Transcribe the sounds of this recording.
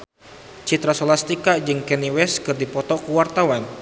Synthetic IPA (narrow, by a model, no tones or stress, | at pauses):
t͡ʃit̪ɾasolast̪ikad͡ʒɨŋkɛniwɛskɨrdipɔt̪ɔkuwart̪awan